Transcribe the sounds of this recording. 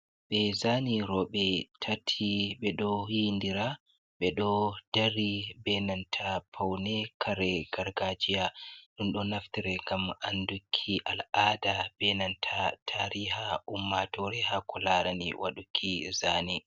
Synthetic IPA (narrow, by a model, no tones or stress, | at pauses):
ɓɛzaniɾɔɓɛtʰatʰːiɓɛɗɔhindiɾa | ɓɛɗɔd̥aɾibɛnantʰapʰawnɛkʰaɾɛɡaɾɡad͡ʒijaɗunɗɔnaftiɾɛŋɡamʔandukʰːiʔalʔaːdab̥ɛnantʰatʰaɾiɦaʔumːatɔɾɛhakɔlaɾanḭwʔa̰ɗukʰːizaːni